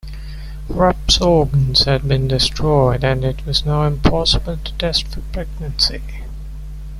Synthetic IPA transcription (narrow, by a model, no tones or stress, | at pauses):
ɹʌpsɔɡə̃nz̥hɨd̚bĩndɪstʰɹ̥ɔɪdɨ̃nɪtʰwʌznaʊɪ̃mpʰɑsəbəlˠtʰə̥tʰɛstfəpʰɹɛɡ̚nə̃nsi